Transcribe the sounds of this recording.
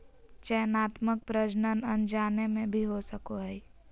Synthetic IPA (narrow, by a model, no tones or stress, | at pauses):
t͡ʃɛjənaːt̪mək̚pɾəd͡ʒnənənd͡ʒaːnemẽbʱiɦosəkoɦɛi